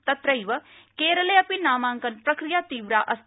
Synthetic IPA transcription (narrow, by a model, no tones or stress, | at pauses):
t̪ɐt̪ɾəiʋɐ | keːɾəleɐpinaːmãːŋkɐnpɾɐkɾijaːt̪iːʋɾaːʔɐs